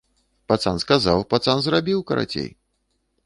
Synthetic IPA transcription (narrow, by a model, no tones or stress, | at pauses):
pat̪sanskazawpat̪sanzrabʲiwkɐɾa̰t͡sʲḛj